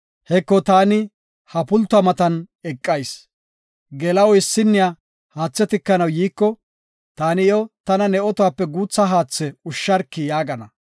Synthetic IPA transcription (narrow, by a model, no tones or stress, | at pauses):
hɛkːɔt̪aːnɪ | hɐpʊlt̪ːʊɐmɐt̪ɐnɛkʼːɐjs | ɡɛlɐwɔɪsːɪnːɪja | haːt͡sːɛt̪ɪkːɐnɐwjiːkːɔ | t̪aːnɪjɔt̪ɐnɐnɛʔɔt̪ʊwaːpːɛɡuːt͡sːaɦaːt͡sːɛʊʃːɐɾkːɪjaːɡɐnɐ